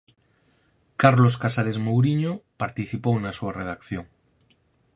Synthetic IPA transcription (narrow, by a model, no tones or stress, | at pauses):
kaɾloskasaɾezmowɾiɲopaɾt̪iθipowenasuareð̞akθjo̞ŋ